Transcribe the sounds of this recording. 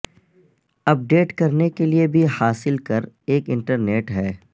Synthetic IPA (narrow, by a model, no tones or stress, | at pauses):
ɐp̚ɖeːʈkɐɾnekeliebʱihaːsɪlkɐɾ | eːkɪ̃ɳʈəɾneːʈɦɛː